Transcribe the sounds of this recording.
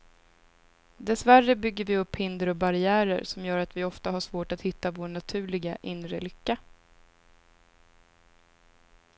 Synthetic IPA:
d̪ɛsværːəbʏɡːəɾvɪɵpːhɪnd̪əɾɔbaɾɪæːɾə̰ɾsɔmjœːɾat̪vɪɔft̪aɦaʂvoːʈat̪hɪt̪ːavoːɳat̪ʰʉ̟ːlɪɡaʔɪnɾəlʏkːa

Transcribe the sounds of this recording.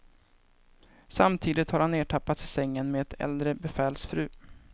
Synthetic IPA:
samt̪ʰiːd̪ɪt̪haɾhanːeːʈʰapːat̪ɪsɛŋːənmeːɛt̪ʰɛ̰ld̪ɾəbɛfɛːlsfɾʉ̟ː

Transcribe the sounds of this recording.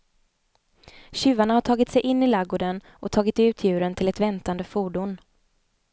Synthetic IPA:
ɕʉ̟ːvaɳahaʈʰɑːɡɪt̪sɛjʔɪnːɪlaɡʊɖ̪ən | ʔɔt̪ʰɑːɡɪt̪ʉ̟ːt̪ʰjʉ̟ːɾənt̪ʰɪlɛt̪vɛnt̪and̪əfuːɖʊn

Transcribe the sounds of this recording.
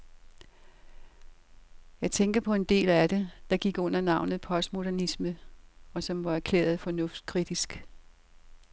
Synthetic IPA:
jɑ̈ɪt͡sʰeŋɡ̥ɐpʰɒ̽e̝nd̥e̝̰ːlæd̥e̝d̥ɑ̈ɡ̥iɡ̥ɔ̽n̰ɐnɑ̈ʊnð̞̩ˠpʰɒ̽sd̥mo̝d̥æɐnisməɒ̽sɒ̽mʋɑ̈æɐkʰlḛːɐð̞̩ˠfɒ̽nɔ̽fd̥̚kʰʁid̥isɡ̥

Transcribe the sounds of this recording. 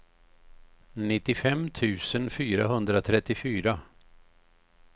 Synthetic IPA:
nɪt̪ːɪfɛmt̪ʰʉ̟ːsənfyːɾaɦɵnd̪ɾat̪ʰɾɛt̪ːɪfyːɾa

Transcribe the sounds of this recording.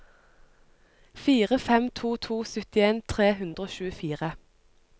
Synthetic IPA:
fiːʁəfɛmt̪ʰuːt̪ʰuːsʏt̪ɪeːnt̪ʰʁeːhʉnd̪ʁoːʃʉːəfiːʁə

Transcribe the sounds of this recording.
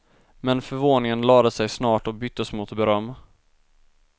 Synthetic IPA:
mɛnfœɾvoːnɪŋənlɑːd̪əsɛjsnɑːʈɔbʏt̪ːɔsmʊt̪bɛɾœmː

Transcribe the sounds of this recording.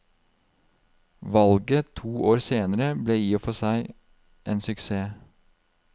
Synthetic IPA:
ʋɑlɡət̪ʰuːʔoːɾseːnəɾəbleːjiːfɔsæɪ | ʔeːnsʉkseː

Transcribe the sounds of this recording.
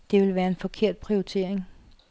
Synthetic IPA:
d̥e̝ʋe̝lʋæːɐe̝nfɒ̽kʰe̝ɐ̰d̥̚pʰʁioit͡sʰe̝̰ɐ̰eŋ

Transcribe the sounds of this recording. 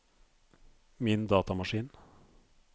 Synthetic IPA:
mɪnd̪ɑːt̪ɑmɑʂiːn

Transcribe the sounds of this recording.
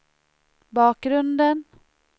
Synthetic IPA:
bɑːk̚ɡɾɵnd̪ən

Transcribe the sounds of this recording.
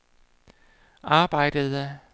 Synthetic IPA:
ɑ̈ːb̥ɑ̈ɪ̰d̥əðˠə

